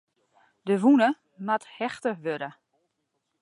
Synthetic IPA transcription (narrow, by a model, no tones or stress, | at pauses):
dəʋunə | mathɛxtəʋøɾə